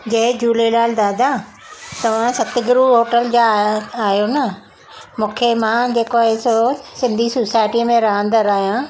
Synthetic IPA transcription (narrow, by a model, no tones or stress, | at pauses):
d͡ʑɐ̃ɦɪ̃d͡ʑuːlelaːld̪aːd̪a | t̪ɐʋ̤ãsɐt̪ɪ̆ɡɪɾuɦoːʈəld͡ʑaaːɦjonɐ | mũːkʰemãd͡ʑeːkoaːɦesosɪ̃nd̪ʱisosaːɪʈimẽɾɐɦə̃nd̪əɾaːɦijã